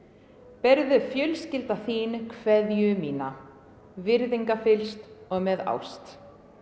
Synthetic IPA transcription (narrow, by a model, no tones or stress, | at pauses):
pɛɾðʏfjœlscɪlt̪aθiːnkʰvɛðjʏmiːna | vɪɾðiŋkafɪlst̪ɔɣmɛða̰wst̪